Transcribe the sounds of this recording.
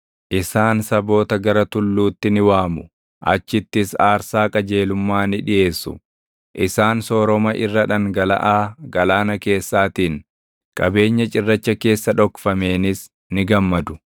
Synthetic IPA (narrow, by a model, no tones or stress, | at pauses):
ʔɪsaːnsɐbo̞ːt̪ɐɡɐɾɐt̪ʊlːuːt̪ːɪnɪwaːmʊ | ʔɐ̰t͡ʃːɪt̪ːɪsaːɾsaːkʼɐd͡ʒe̞ːlʊmːaːnɪᶑɪje̞ːsːʊ̰ | ʔɪsaːnsɔːɾɔmɐʔɪrːɐᶑɐŋɡɐlɐ̰ʔaːɡɐlaːnɐke̞ːsːaːt̪iːn | kʼɐbe̞ːɲːɐt͡ʃʼɪrːɐt͡ʃːɐke̞ːsːɐᶑɔkfɐme̞ːnɪs | nɪɡɐmːɐd̪ʊ̥